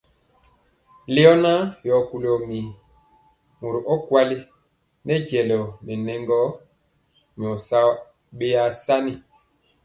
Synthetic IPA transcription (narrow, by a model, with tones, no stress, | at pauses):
le˦ɔ˦na˦jɔ˨ku˨lɔ˨mi˨ | mo˨ɾu˨ʔɔ˦kwa˦li˦ | nɛ˦ɟɛ˨lɔ˨nɛ˨nɛ˦ŋɡɔ˦ | m˨ɔ˨sa˦ | ɓe˦ja˦sa˦ni˨